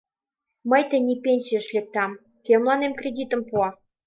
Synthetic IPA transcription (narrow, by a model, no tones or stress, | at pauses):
məjt̪enʲipʲenʲsʲijə̆ʃlʲek̚t̪ɑm | kemlˠɑnemkrʲed̪ʲit̪ə̆mpuɑ